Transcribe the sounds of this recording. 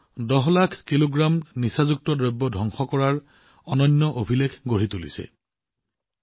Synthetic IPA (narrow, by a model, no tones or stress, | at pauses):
dɔɦlakʰkiloɡɹamnisazuk̚tɔdɹɔbːɔdʱɔŋxɔkɔɹaɹ | ɔnɔnːɔʔobʱilekʰɡoɹit̪ulḭsɛ̰